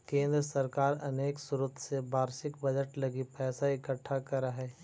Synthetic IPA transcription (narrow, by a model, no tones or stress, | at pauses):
kẽːnd̪ɾəsɐɾkaːɾɐneːksʊɾʊt̪ʰsebʱaːɾʃɪkbɐd͡ʒəʈlɐɡipɛːsaɪkəʈʰːakɐɾaɦɛː